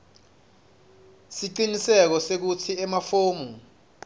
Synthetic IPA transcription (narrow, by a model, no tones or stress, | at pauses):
siǀinisɛk̬ɔsek̬utʰiɛmafoːmu